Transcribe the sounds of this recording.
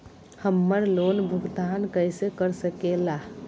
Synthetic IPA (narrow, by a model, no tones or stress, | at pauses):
həmːəɾlonbʱuɡd̪ʱaːnkəjsekəɾsəkela